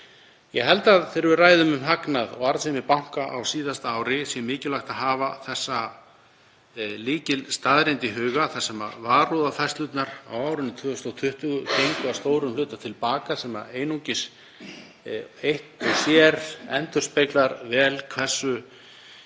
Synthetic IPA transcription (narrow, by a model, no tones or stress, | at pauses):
jɛɦɛlt̪aðθeɾɪvɪraːjðʏmʏmɦaknaðɔ̰ɣaɾsɛmɪpawŋ̥kaʔawsiːðast̪aaːwɾɪsjɛmɪːcɪlaxt̪aðɦaːvaθɛsːa | liːcɪlst̪aðɾejnt̪ɪɦʏːɣaθḁsɛma̰vaːruðafajst̪lʏt̪naɾawaːwɾʏnːɪt̪ʰvʏːʏst̪awt̪ʰʏht̪ʏɣʏcejŋkʏast̪oːwɾʏmlʏːt̪at̪ʰɪlpaːkasɛma̰eːjnuɲcɪs | ejht̪ɪsjɛɾɛnt̪ʏr̥spejklaɾvɛːlkʰvɛr̥sːʏ